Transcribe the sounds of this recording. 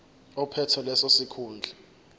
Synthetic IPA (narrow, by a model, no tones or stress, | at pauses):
ɔpʰɛtʰɔlɛsosikʰuːnd͡ɮʱa